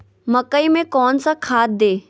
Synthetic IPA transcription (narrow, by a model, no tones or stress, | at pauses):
mɐkəimẽkɔːnsakʰaːt̪̚d̪eː